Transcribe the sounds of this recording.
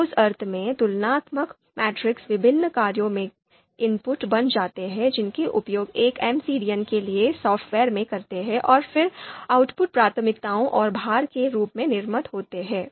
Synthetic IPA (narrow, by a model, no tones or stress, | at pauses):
sɐɾt̪ʰmẽt̪ʊlnaːt̪mək | mɛːʈɾɪksʋɪbʱɪnːəkaːɾjõmẽ | ɪmpʊʈbɐnd͡ʒaːt̪eɦɛ̃d͡ʒɪnkeʔʊpjoːɡeːkɛmsiːɖijənkeliesɔːfʈʋɛːɾmẽkɐɾt̪eɦɛ̃ʔɔːɾfɪɾaːʊʈpʊʈ̚pɾaːt̪ʰəmɪk̚t̪aːõʔɔːɾbʱaːɾkeɾuːpmẽnɪɾmət̪ɦoːt̪eɦɛ̃ː